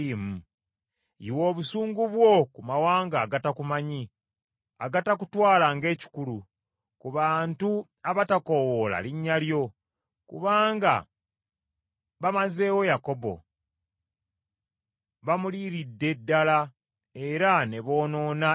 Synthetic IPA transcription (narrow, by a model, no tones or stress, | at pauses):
m̩ | iwo̞ːβusuːŋɡuβwo̞kumawaːŋɡaːɡatakumaɲi | aɡatakutwaːlaŋɡe̞ːci̥kulu | kuβaːntu | aβatako̞wola̰liɲːaljo̞ | kṵβaːŋɡa̰ | βamaze̞ːwo̞jako̞bo̞̰ | βamuliɾidːe̞dːala | e̞ɾane̞βo̞ːno̞ːna